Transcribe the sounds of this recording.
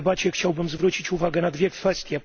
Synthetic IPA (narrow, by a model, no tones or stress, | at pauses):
bat͡ɕɛxt͡ɕawbɘmzvɾut͡ɕit͡ɕuvaɡɛnad̪vʲjɛkfɛst̪ʲjɛ